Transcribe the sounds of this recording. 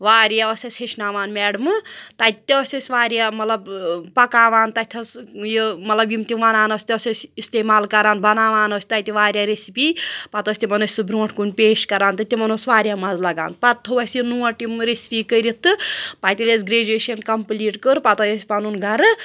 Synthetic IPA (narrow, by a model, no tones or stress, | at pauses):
ʋaːɾjaɔsʲɐsʲheʃʰnaːʋaːnmɛːɽɨmɨt̪at̪t̪ʲɔsʲɐsʲʋaːɾʲjamɐt̪lɐbpɐkaːʋaːnt̪ɐt̪ʰɐsjomɐt̪lɐbjimt̪ʲiʋanaːnosʲt̪ʲɐsʲɐsʲist̪eːmaːlkɐɾaːnbʱɐnaːʋaːnoːsʲi̥t̪ɐjt̪ʲiʋaːɾjaɾesipipɐt̪osʲt̪ʲimɐnosʲsubɾõːʈʰkunpeːʃkɐɾaːnt̪ɐt̪ʲimɐnosʲʋaːɾʲjamɐzlɐɡa̰ːnpɐt̪ʰːoɐsjinuɐʈimɾesi̥piːkəɾit̪ɨpat̪ʲilʲesɡɾeːd͡ʒeːʃɐnkɐmpliʈkəɾpɐt̪ɔjesʲpɐnunɡɐɾɨ